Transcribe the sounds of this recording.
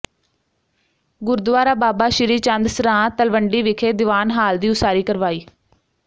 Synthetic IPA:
ɡʊɾd̪ʋaːɾaːbaːbaːʃɪɾiːt͡ʃənd̪sɾãːt̪əlʋəɳɖiːʋɪkʰeːd̪ɪʋaːnɦaːld̪iːʊsaːɾiːkəɾʋaːiː

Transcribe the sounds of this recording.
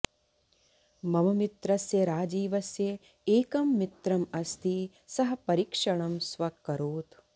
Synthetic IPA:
mɐmɐmit̪ɾɐsjɐɾaːd͡ʒiːʋɐsjɐ | eːkɐmːit̪ɾɐmɐst̪ʰi | sɐɦɐ̆pɐɾikʂɐɳɐmsʋɐkːɐɾoːt̪

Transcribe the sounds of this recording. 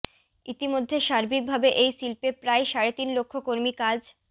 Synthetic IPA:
it̪imod̪ʱːeʃaɾbik̚bʱabeʔejsilpepɾaeʃaɾet̪inlokʰːokoɾmikad͡ʑ

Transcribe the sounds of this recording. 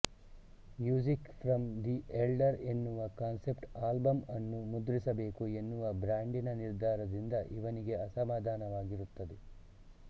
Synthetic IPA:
mjuːd͡ʒikfʰɾɐmd̪iʔelɖɐɾe̞nːuʋɐkaːnse̞pʈaːlbɐmɐnːumud̪ɾisɐbe̞ːkue̞nːuʋɐbɾaːɳɖinɐniɾd̪ʱaːɾɐd̪ind̪ɐʔiʋɐniɡe̞ɐsɐmaːd̪ʱaːnɐʋaːɡiɾut̪ːɐd̪e

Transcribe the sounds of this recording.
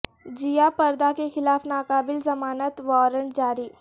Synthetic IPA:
d͡ʒijapɐɾd̪akexɪlaːfnaːkaːbɪlzɐmaːnət̪ʋɔːɾəɳʈd͡ʒaːɾiː

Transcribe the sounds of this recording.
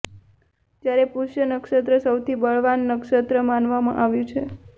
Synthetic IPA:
d͡ʒjaɾepuʃjənəkʃət̪ɾəsəwt̪ʰibəɭ̤ʋanːəkʃət̪ɾəmanʋamã̰ʔaʋjũt͡ʃʰe

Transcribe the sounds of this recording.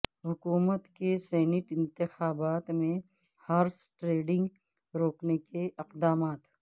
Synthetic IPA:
ɦʊkuːmət̪kesɛːnɪʈɪ̃nt̪ɪxaːbaːt̪mẽ | haːɾsʈɾeːɖɪ̃ŋɡ | ɾoːknekeʔɪqd̪aːmaːt̪

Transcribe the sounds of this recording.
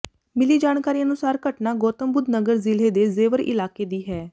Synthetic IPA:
mɪliːd͡ʒaːnkaːɾiːənʊsaːɾkəʈnaːɡoːt̪əmbʊd̪nəɡəɾzɪleːd̪eːzeːʋəɾɪ̰laːkeːd̪iːɦɛː

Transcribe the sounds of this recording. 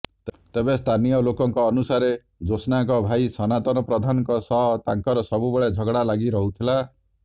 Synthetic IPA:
t̪t̪ebest̪ʰanijɔlokɔŋkɔːnusaɾe | d͡ʒosnaŋkɔbʱajsɔnat̪ɔnɔpɾɔd̪ʱanɔŋkɔsɔɦt̪aŋkɔɾɔsɔbubeɭed͡ʒʱɔɡɽalaɡiɾɔɦut̪ʰila

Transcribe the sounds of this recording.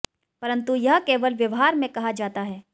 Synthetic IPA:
pɐɾə̃nt̪ujɐɦkeːʋəlʋjɐʋɦaːɾmẽkɐɦad͡ʒaːt̪aɦɛː

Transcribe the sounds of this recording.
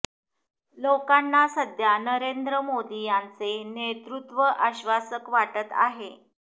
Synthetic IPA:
lokanːasəd̪ʱjanəɾend̪ɾəmod̪ijant͡senet̪ɾut̪ʋəʔaɕʋasəkʋaʈət̪a̰ɦe

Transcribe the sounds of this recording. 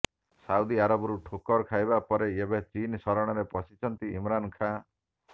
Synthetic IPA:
saud̪iaɾɔbɔɾuʈʰokɔɾkʰajbapɔɾeebet͡ʃinsɔɾɔɽ̃ɔɾepɔsit͡ʃʰɔnt̪iimɾankʰa

